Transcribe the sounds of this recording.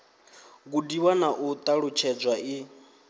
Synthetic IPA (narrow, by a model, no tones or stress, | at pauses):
kudiwanaʔut̪ʼaɺʊt͡ʃʰɛd͡zʷwaɪ